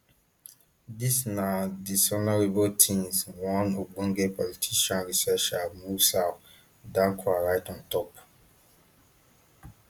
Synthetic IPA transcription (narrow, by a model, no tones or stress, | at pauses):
disnadisɔnaɹebotʰĩmswɔ̃nɔɡ͡bɔ̃ŋɡepɔlitʰiʃãnɹisɛʃamusa | dãŋkʰwaɹajtɔ̃ntɔp